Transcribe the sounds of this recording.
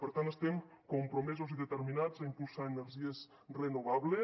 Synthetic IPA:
pəɾt̪ant̪əst̪em | kompɾomɛzoziðet̪eɾminazaimpulˠsaeneɾʒies | renoβ̞aβle

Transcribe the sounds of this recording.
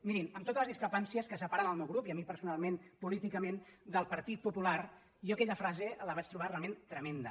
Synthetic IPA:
miɾiməmt̪ot̪ələzðiskɾəpansiəskəsəpaɾanəlˠmewɣɾupiəmipəɾsunalˠmenpulit̪ikəmend̪əlˠpəɾt̪it̪̚pupular | joəkɛʎəfɾazeləβat͡ʃt̪ɾuβ̞arealˠment̪ɾəmend̪ə

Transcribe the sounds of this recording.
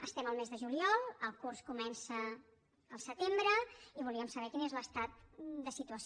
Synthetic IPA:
əst̪ɛməlˠmɛzðəʒuliɔlˠəlˠkurskumɛnsəː | lˠsət̪embɾəiβulˠiəmsəβɛkinezləst̪at̪̚d̪əsit̪uəs

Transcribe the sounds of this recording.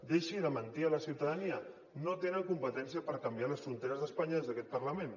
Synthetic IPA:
d̪eʃiðəmənt̪iələsiwt̪əðəniə | not̪enəŋkumpət̪ɛnsiəpəɾkəmbialəsfɾunt̪eɾəzðəspaɲəezðəkɛt̪̚pəɾləmen

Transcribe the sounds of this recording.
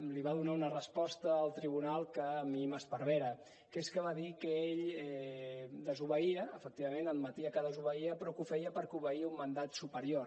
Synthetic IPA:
liβaðunaunərəspɔst̪əːlˠt̪ɾiβ̞unalˠkəːmiməspəɾβeɾə | keskəβ̞aðikəeʎɛ | d̪əzuβəiəəfək̚t̪iβəmenəd̪̚mət̪iəkəðəzuβəiəpɾɔkufɛjəpəɾkuβəiumːənd̪at̪supəɾio

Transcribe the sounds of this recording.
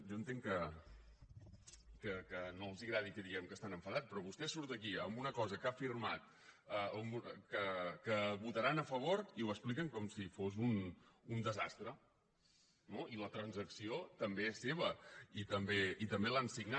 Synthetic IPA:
ʒɔənt̪eŋkə | kəkənolˠziɣɾaðikəðiɣɛmkəst̪anəɱfəðat͡s̪pɾɔβust̪ɛsuɾt̪əkiəmbunəkɔzəkafirmat̪̚ | əəmukəkəβut̪əɾanəfəβ̞oɾiuəsplikəŋkɔmsifozunund̪əzast̪ɾə | noilət̪ɾənzəksiot̪əmbeɛsːeβ̞əit̪əmbeit̪əmbelansiɡna

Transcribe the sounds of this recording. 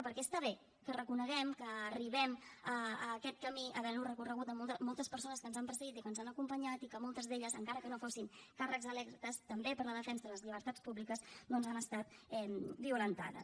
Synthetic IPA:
pəɾkɛst̪aβe | kərəkunəɣɛmkəːriβ̞ɛməkɛt̪̚kəmiʔəβɛɾurəkurəɣ̞ut̪əmɔlˠt̪əmɔlˠt̪əspəɾsonəskənzampəɾsəɣit̪ikənzanəkumpəɲat̪ikəmɔlˠt̪əzðeʎəzəŋkaɾəkənofosiŋkarəkzəlɛkt̪əst̪əmbepəɾləðəfɛnsəələzʎiβ̞əɾt̪at͡spuβlikəznonzanəst̪at̪ɛmbiulənt̪a̰ðə̰s

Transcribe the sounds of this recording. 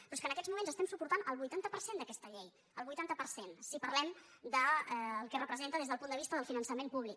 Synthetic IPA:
pɾɔskənəkɛd͡zmumenzəst̪ɛmsupuɾt̪anəlˠβujt̪ant̪əpəɾsend̪əkɛst̪əʎej | əlˠβujt̪ant̪əpəɾsensipərlɛm | d̪əlˠkɛrəpɾəzent̪əðezðəlˠpund̪əβist̪əðəlˠfinənsəmempuβ̞lik

